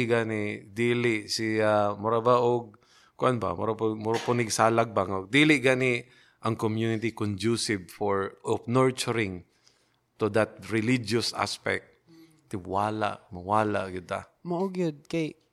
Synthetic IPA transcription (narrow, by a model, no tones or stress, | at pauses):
ɡaːnɛd̪iːlɪʔsɪamʊɾabaʔoɡ̚ | kʊʔanba̰mʊ̰ɾapʊmʊɾapʊnɪɡsaːlaɡ̚baŋoɡ̚d̪iːlɪɡanɪ | ʔɐŋkomjunɪt̪ikʊnd͡ʒusɪb̚fɔɹʔɔpnɔɹt͡ʃʊɹɪŋ | t̪ʊd̪at̪̚ɹɪlid͡ʒʊsʔa̰spɛ̰k̚t̪̚ | t̪ːɪwaːla̰ʔmawaːla̰ʔɡɪd̪a̰ | maʔoɡjod̪̚kaj